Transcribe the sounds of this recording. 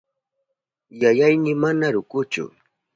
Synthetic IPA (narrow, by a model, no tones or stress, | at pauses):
jajajmɪmanaɾʊkʊt͡ʃʊ̰